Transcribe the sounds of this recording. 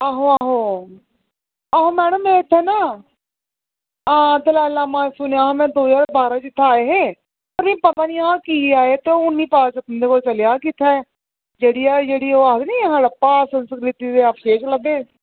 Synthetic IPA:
aːɦõːaːɦõː | aːɦõːmɛːɽəmːɛ̃ːɪt̪ʰːɛːnaː | ãːt̪elaːlaːmãːsʊneaːɦmɛ̃ːd̪oːd͡ʒaːɾbaːɾãːt͡ʃɪt̪ʰːaːeːɦeː | pəɾmĩːpət̪ãːnĩːãːkiːaːeːt̪eoʊnːiːpaːt͡ʃət̪ənd̪eːkoːlt͡ʃəlejaːkiːt̪ʰaɛ | d͡ʒeːɽiːaːd͡ʒeːɽiːoːaːd̪nĩːɦãːɽəpːaːsənskɾɪt̪iːd̪eːapʰʃeːt͡ʃləɡeː

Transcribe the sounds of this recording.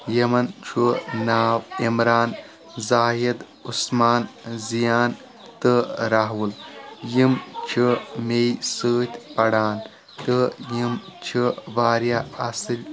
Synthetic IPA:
jɐmɐnt͡ʃʰunaːwimɾaːn | zaːjid̪ | usmaːnzijaːn | t̪ɨɾaɦwuljimt͡ʃʰimejsəːt̪ʲpɐɽaːn | t̪əjimt͡ʃʰibaːɾjaɐsɨlʲ

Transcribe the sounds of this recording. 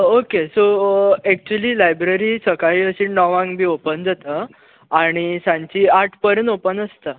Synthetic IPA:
okesoɛk̚t͡ɕueliːlajbɾeɾiːsəkaɦiːəɕiːnnɔʋãŋɡbʱiːopənd͡zat̪ə | aɽ̃isãɲt͡ɕiːaʈʰpəɾenopənəst̪ə

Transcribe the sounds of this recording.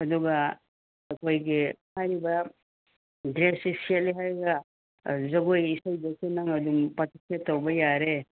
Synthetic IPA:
ɐduɡɐ | ɐkʰojɡihajɾibɐ | dɾesisieliɦajɡɐ | zɐɡojisajdɐsenɐŋɐdumpɐtʰisatowbɐjaɾe

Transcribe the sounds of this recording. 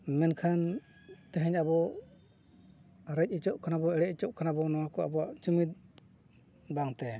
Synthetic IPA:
mɛnkʰan | t̪ɛɦɛɲabɔ | ɾəc̚ˀit͡ʃɔʔkʰanabɔɛɽɛc̚it͡ʃɔʔkʰanabɔnɔwakɔa̰bɔaʔt͡ʃumit̪̚ | baŋt̪ɛ

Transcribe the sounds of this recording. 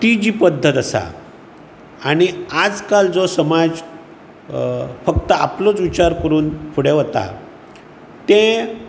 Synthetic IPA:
ʈid͡ʑiːpəd̪ʱːət̪əsa̰ | aɽ̃iad͡zkald͡zɔsəmad͡z | fək̚t̪əa̰plot͡sʋit͡ɕaɾkəɾuːnpʰuɽeʋət̪a̰ | t̪ẽ

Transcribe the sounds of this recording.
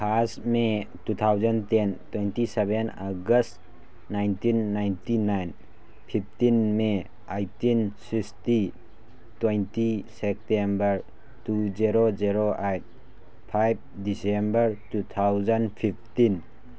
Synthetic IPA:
pʰasmetut̪ʰawzəntentwentisebenaɡəst | najntinːajntinajn | pʰipʰtinme | ajtinsiksti | twejntisek̚tembəɾ | tud͡ʒiɾod͡ʒiɾoʔajt̚ | pʰajb̚disembəɾtut̪ʰawzanpʰip̚ʰtin

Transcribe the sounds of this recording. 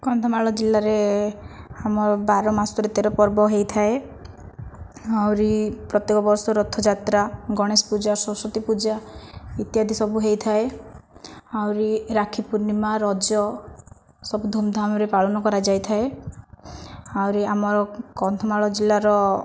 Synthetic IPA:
kɔnt̪ʰɔmaɭɔd͡ʒilːaɾe | amɔɾɔbaɾɔmasɔt̪ɔɾet̪eɾɔpɔɾbɔɦejt̪ʰae | awɾipɾɔt̪jekɔbɔɾsɔɾɔt̪ʰːɔd͡ʒat̪ɾaɡɔɽ̃espud͡ʒasɔsɔt̪ipud͡ʒait̪jad̪ʱisɔbuɦejt̪ʰae | awɾiɾakʰipuɾnimaɾɔd͡ʒjɔ | sɔbud̪ʱomd̪ʱamɔɾepaɭɔnɔkɔɾad͡ʒajt̪ʰae | awɾiamɔɾɔkɔnt̪ʰɔmaɭɔd͡ʒilːaɾɔ

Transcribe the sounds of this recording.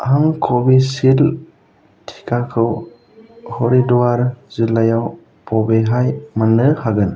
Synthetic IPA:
haŋkʰobisil | tʰi̥kʰakʰɯw | hoɾiduaɾzilːajaw | pʰɔbeɦajmanɯhaɡɯn

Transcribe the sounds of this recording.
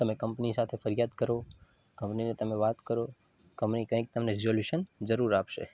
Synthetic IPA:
t̪əmekə̃mpnisat̪ʰefəɾijad̪kəɾo | kə̃mpninet̪əmeʋat̪kəɾo | kəmpnikə̃ĩk̚t̪əmneɾizoljuʃənd͡ʒəɾuɾapʃḛ

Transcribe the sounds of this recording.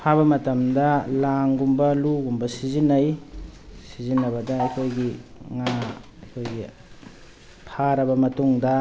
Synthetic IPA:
pʰaβɐmɐtɐmdɐlaŋɡumbɐluɡumbɐsizinɐj | sizinːɐβɐdɐɐjkʰojɡiŋa | ɐjkʰojɡi | pʰaɾɐbɐmɐtuŋdɐ

